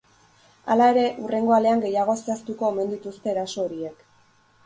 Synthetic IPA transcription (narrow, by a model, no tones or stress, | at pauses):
a̰lae̞ɾe̞ʔure̞ŋɡo̞ale̞aŋɡe̞jaɣ̞o̞sast̪uko̞eme̞nd̪it̪ust̪e̞ːɾaso̞ːɾie̞k